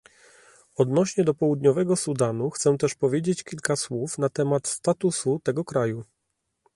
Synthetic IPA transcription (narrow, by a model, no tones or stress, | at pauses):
ɔd̪nɔɕɲɛd̪ɔpɔwud̪ɲɔvɛɡɔsud̪anuxt̪sɛ̃t̪ɛʂpɔvʲjed͡ʑet͡ɕkʲilkaswufnat̪ɛmat̪st̪at̪usut̪ɛɡɔkɾaju